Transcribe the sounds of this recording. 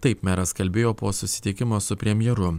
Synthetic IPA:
t̪ɐɪpmʲæːɾɐskɐlʲbʲeːjoːpoːsʊsʲɪ̥t̪ʲɪkʲɪmoːsʊpʲɾʲɛmʲjɛɾʊ

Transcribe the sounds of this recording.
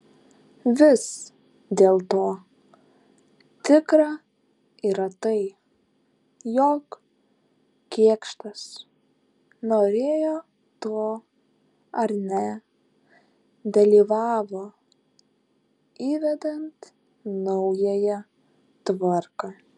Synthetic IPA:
ʋʲɪs | d̪ʲeːlˠt̪oː | t̪ʲɪkɾɑ | iːɾɐt̪ɐɪ | joːk | kʲiɛkʃt̪ɐs | noːɾʲeːjoː | t̪oː | ɐɾnʲɛ | d̪ɐlʲiːʋɑːʋoː | iːʋʲɛd̪ɐnt̪ | nɐʊjɛjɛ | t̪ʋɐɾkɑː

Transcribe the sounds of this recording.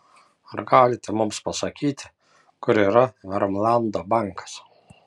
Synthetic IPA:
ɐɾɡɑːlʲɪt̪ʲɛmʊmspɐsɐkʲiːt̪ʲɪ | kʊɾiːɾɐɐɾɐmlˠɑnd̪oːbɑŋkɐ̥s

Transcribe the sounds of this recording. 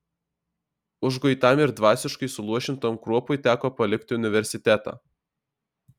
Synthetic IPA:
ʊʒɡɔɪt̪ɑmɪɾd̪ʋɑːsʲɪʃkɐɪsʊlˠuɔʃʲɪnt̪oːmkɾuɔpʊɪt̪ʲæːkoːpɐlʲɪkt̪ʲɪʊnʲɪʋʲɛɾʲsʲɪt̪ʲæt̪ɑ̰ː

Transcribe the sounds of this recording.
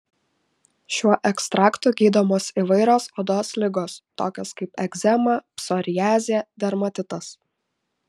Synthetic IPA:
ʃʲuɔʔɛkst̪ɾʔɑːkt̪uːˑɡʲiːd̪oːmoːsiʋɐɪɾʲoːsod̪oːslʲɪɡoːst̪oːkʲoːskɐɪpɛɡzʲɛmɐpsɔːɾʲɪjæːzʲeːd̪ʲɛɾmɐt̪ʲɪt̪ɐs

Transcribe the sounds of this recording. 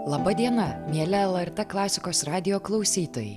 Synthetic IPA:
lˠɐbɐd̪ʲiɛnɐmʲiɛlʲɛɛlˠɛɾt̪ɛklˠɑːsʲɪkoːsɾɑːd̪ʲɪjoːklˠɐʊsʲiːt̪oːjɛ̰ɪ

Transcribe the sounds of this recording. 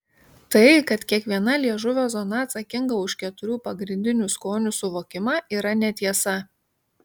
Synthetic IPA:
t̪ɐɪkɐt̪kʲiɛkʋʲiɛnɐlʲiɛʒʊʋʲoːzɔnɐːt̪sɐkʲɪŋɡɐʊʃʲkʲɛt̪ʊɾʲuːpɐɡɾʲɪnʲd̪ʲɪnʲuːˑskoːnʲuːˑsʊʋoːkʲɪmɑːiːɾɐnʲɛt̪ʲiɛsɐ

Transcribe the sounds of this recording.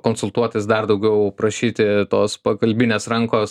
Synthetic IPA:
koːnsʊlˠt̪uɔt̪ɐɪsd̪ɐrd̪ɐʊɡʲɛʊpɾɐʃʲiːt̪ʲɪt̪oːspɐkɐlʲbʲɪnʲeːsɾɐŋkoːs

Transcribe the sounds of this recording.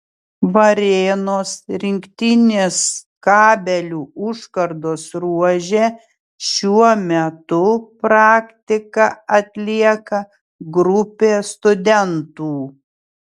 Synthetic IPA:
ʋɐɾʲeːnoːsɾʲɪŋʲkt̪ʲɪnʲeːskɑːbʲɛlʲuːʊʃkɐɾd̪oːsɾuɔʒʲeː | ʃʲuɔmʲɛt̪ʊpɾɑːkt̪ʲɪkɐɐt̪ʲlʲiɛkɐ | ɡɾʊpʲeːst̪ʊd̪ʲɛnt̪uː

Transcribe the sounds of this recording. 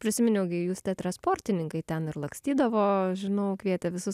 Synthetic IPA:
pʲɾʲɪsʲɪmʲɪnʲɛʊɡʲɪjuːst̪ʲɛt̪ɾɐnspoːrʲt̪ʲɪnʲɪŋkɐɪt̪ʲɛnɪɾlˠɐŋksʲt̪ʲiːd̪ɐʋoːʒʲɪnɐʊkʋʲiɛt̪ʲɛʋʲɪsʊs

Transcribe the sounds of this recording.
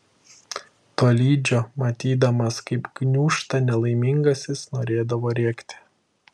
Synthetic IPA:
t̪oːlʲiːd͡ʒʲoːmɐt̪ʲiːd̪ɐmɐskɐɪpɡnʲuːʃt̪ɐnʲɛlˠɐɪmʲɪŋɡɐsʲɪsnoːɾʲeːd̪ɐʋoːɾʲɛɛkt̪ʲɪ̥

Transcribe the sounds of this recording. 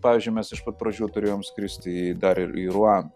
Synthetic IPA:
pɑːʋʲizʲd͡ʒʲʊɪmʲɛsɪʃpɐt̪̚pɾɐʒʲuːt̪ʊɾʲeːjoːmskɾʲɪsʲt̪ʲɪid̪ɐɾɪiɾʊɑːn

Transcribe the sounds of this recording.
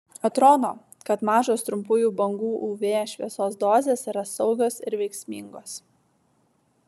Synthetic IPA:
ɐt̪ɾoːd̪oː | kɐt̪mɑːʒoːst̪ɾʊmpʊjuːbɐŋɡuːʔuːʋʲeːʃʲʋʲiɛsoːsd̪oːzʲeːsiːɾɐsɒʊɡʲoːsɪ̰ɾʋʲɛɪksʲmʲiːˑŋɡoːs

